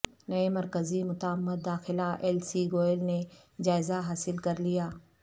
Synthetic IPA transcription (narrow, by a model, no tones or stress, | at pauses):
nɐemɐɾkəzimʊt̪aːmːət̪̚d̪aːxɪlaʔɛːlsiɡoːlne | d͡ʒaːɪzaɦaːsɪlkɐɾlijaː